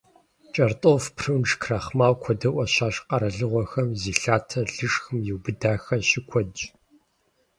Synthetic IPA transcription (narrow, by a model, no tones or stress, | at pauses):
t͡ʃʼɐrtʼoːfpʰrɨwnʂkʰrɐχmaːwkʷʰɔdɐʔʷɔɕaːɕqɐɾɐɮɨʁʷɔxɐmziːɬaːtʰɐɮɨʂxɨmjɪwbɨdaːxɐɕɪkʷʰɔd͡ʒ